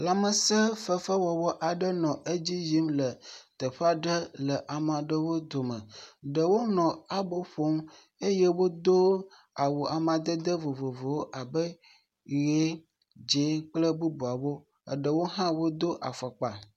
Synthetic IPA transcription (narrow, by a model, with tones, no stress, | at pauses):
la˨mə˨sə˦fə˦fə˦wɔ˨wɔ˦ʔa˨ɖə˦nɔ̃˨ʔe˦d͡ʑi˦zi˦mlə˨t̪ə˨ɸa˦ɖə˦lə˨ʔa˨mã˨ɖə˨wo˦d̪o˨mə̰˨ɖə˨wo˦nɔ̃˨a˨bo˦ɸo˦m | e˦jɛ˦wo˦d̪o˦ | a˨wo˨ʔa˨mã˨d̪ə˦d̪ə˦vo˨vo˨vo˨wo˦ʔa˨bə˦ | ɣe˦ | d͡ʒe˨˦k͡plə˦bu˦bu˨a˨wo˦ | ə̰˨ɖə˨wo˦ɦã˦wo˦d̪o˦ʔa˨fɔ˨k͡pa˨